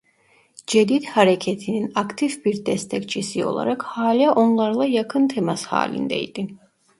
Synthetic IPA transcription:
d͡ʒɛd̪id̪haɾɛkʰɛt̪ʰininakt̪ʰivbiɾd̪ɛst̪ʰɛkt͡ʃʰisiɔ̰lˠa̰ɾakhaːliaʔɔnlˠaɾlˠajakʰɯnt̪ʰɛmasha̰ːlḭnd̪ɛ̰jd̪i

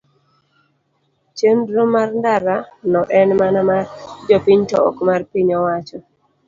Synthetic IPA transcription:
t͡ʃendɾomarndaɾanɔʔɛnmanamard͡ʒɔpiɲtɔɔ̰kmarpiɲɔwat͡ʃɔ

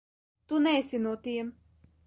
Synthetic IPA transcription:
t̪unɛːsʲinuɔt̪iɛm

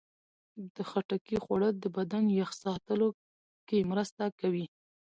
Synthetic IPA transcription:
d̪̥əxaʈakixwaɽəd̪əbad̪anjaxsɑt̪əlo | kemɾəst̪akawi

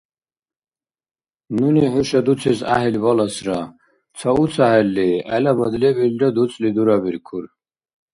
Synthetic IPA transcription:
nuniħuʃad̪ut͡sʰisa̰ɦilbɔlasɾa | t͡sʰɔut͡sʰaɦɛlːiɛlabɔd̪lɛbildɔd̪ut͡sʼlid̪uɾabiɾkʰuɾ

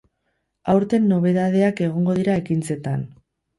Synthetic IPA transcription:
awɾt̪e̞nːo̞βe̞ðaðe̞ake̞ɣ̞o̞ŋɡo̞ðiɾae̞kint͡se̞t̪an

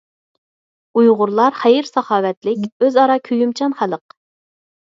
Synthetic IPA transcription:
ujʁʊɾlˠɑɾχæjɪɾsɑχɑːwɛt̪lɪkʲøzɑɾɑkʲʰøjymt͡ʃʰɑnχælˠəq

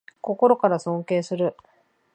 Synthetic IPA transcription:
ko̞ko̞ɾo̞kaɾasõ̞ŋke̞ːsɨɾɯ̟

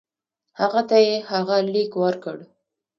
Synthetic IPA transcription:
haɣat̪ajehaɣalikwaɾkəɽ

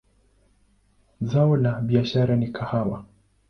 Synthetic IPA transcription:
zaɔlaɓiaʃaɾanikʰahawa

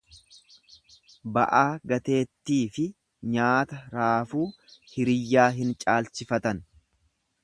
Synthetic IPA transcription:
bɐ̰ʔaːɡɐt̪e̞ːt̪ːiːfɪ | ɲaːt̪ɐɾaːfuː | hɪɾɪjːaːɦɪnt͡ʃʼaːlt͡ʃɪfɐt̪ɐn

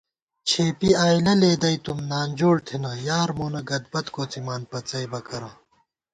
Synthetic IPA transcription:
t͡ɕʰeːpiaːjlɐleːd̪ɐit̪umnaːnd͡ʑoːɽt̪ʰinɐjaːɾmoːnɐɡɐd̪̚bɐt̪koːt͡simaːnpɐt͡sɐjbɐkɐɾãː

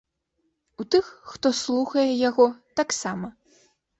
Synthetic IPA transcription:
ut̪ɨxːt̪ɔslˠuxɐjɛjaɣɔt̪aksamɐ

